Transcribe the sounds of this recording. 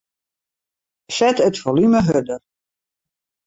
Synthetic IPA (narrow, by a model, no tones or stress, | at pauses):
sɛtətfolyməɦødər